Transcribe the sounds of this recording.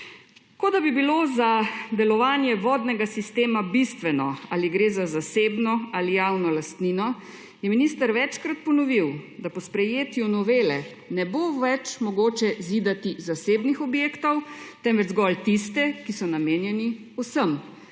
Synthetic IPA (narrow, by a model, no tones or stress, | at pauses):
kod̪abibilozad̪ɛlɔʋaːnjɛʋɔːd̪nɛɡasist̪eːmabist̪ʋɛnɔaːliɡɾeːzazaseːbnɔalijawnɔlast̪niːnɔ | jɛminist̪əɾʋɛt͡ʃkɾat̪̚pɔnɔʋiwd̪apɔspɾɛjeːt̪junɔʋeːlɛ | nɛboʋɛt͡ʃmɔɡoːt͡ʃɛzid̪at̪izaseːbnixɔbjeːkt̪ɔwt̪ɛmʋɛd͡ʒzɡɔlt̪ist̪ɛkisɔnameːnjɛniusəm